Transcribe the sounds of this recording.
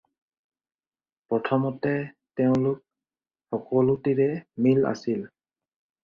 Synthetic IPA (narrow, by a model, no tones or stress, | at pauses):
pɹɔtʰɔmɔtɛ | tɛʊ̃lʊk̚ | xɔkɔlutiɹɛmila̰sil